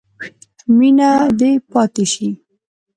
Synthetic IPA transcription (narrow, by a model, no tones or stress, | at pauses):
minad̪epɑt̪eʃi